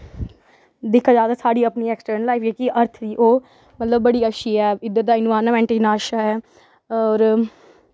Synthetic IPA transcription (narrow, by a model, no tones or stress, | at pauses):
d̪ɪkʰːaːd͡ʒaːd̪aːsaːɽiːəpniːeːksʈəɾnəlaːɪifd͡ʒeːkiʔəɾt̪ʰd̪iːʔoː | mət̪ləb̚ːəɽiːəʃiːɛːɪd̪ːət̪d̪aːɪnʋaːɾnmɛ̃ːɳʈɪnaːʃaːɦɛː | ɔːɾ